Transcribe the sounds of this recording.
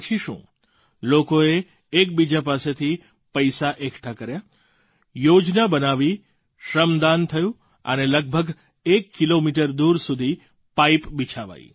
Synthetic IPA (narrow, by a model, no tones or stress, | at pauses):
t͡ʃʰiʃṵ̃ | lokoeː | k̚bid͡ʒapaset̪ʰi | pəjsaʔekʰʈʰakəɾja | jod͡ʒnabənaʋi | ʃɾəmd̪ant̪ʰəjũ | ə̰neləɡ̚bʱəɡ | ekːilomiʈ̬əɾd̪uɾsud̪ʱi | paipbit͡ʃʰaʋa̰ḭ